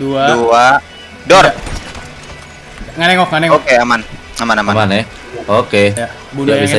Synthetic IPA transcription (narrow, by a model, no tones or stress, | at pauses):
ddua | dɔr | ŋanɛŋɔkŋanɛŋokeaman | amanamamanɛ | oke | iabia